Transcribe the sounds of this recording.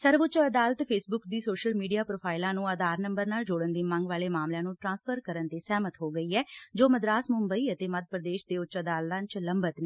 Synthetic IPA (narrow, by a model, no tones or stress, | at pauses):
səɾʋʊt͡ʃəd̪aːlət̪pʰeːsbʊkd̪iːsoːʃəlmiːɖijaːpɾoːpʰaːɪlãːnũːəd̪aːɾnəmbəɾnaːld͡ʒoːɽənd̪iːmə̃ŋɡʋaːleːmaːmljãːnũːʈɾãːnspʰəɾkəɾənt̪eːsɛːmət̪ɦoːɡəiːɛːd͡ʒoːməd̪ɾaːsmʊmbəiːət̪eːməd̪̚pɾəd̪eːʃd̪eːʊt͡ʃəd̪aːlt̪ãːt͡ʃləmbət̪neː